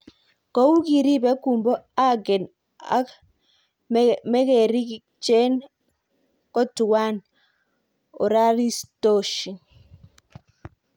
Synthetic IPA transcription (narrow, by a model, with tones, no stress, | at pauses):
kɔ˦u˦ki˨ɾi˦bɛ˨˦ku˨mbɔ˦a˦ɡɛ˨n | a̰˦ | mɛ˦kɛ˨ɾi˦ki | t͡ʃɛ˦n | kɔ˦tu˨wa˦n | o˨ɾa˦ɾi˦sto˦ʃi˨ŋ